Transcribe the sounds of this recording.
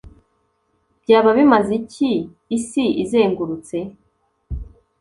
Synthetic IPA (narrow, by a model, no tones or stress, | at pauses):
bɟaːβaβimazicʰiː | siizeːŋɡuɾut͡se